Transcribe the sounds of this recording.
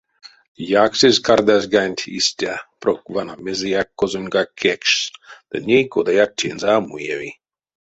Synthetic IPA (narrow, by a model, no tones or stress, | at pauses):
jaksezkard̪azʲɡanʲtʲʰḭsʲt̪ʲaprokvanamezejakːozunʲɡakʰekʃd̪̥ɨnʲejkod̪ajak̚t̪ʲʰḛnzaamṵjḛvḭ